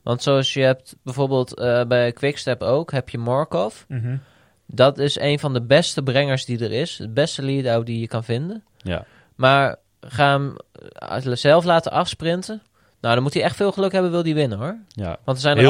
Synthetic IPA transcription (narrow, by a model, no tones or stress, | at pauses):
ʋɑntsowɑsjəɦɛp̚tbɛjvoːɹbeːlˠtəbɛjəkʋɪkstɛpowkɦɛpjəmɔɹkɔf | dɑtɪsejnvɑndəbɛstəbrɛŋəɹsdidəɹɪsəbɛstəliədaw̚dijəkɑnvɪndən | maːɹ | χaːn | zɛlˠflaːtəʔɑfsprɪntə | nowdɔnmutəɛχtfɪːlˠχəlɵkɦɛbənʋɪlˠdiʋɪnənɦoɹʋɑ̃ntəɹzɛjn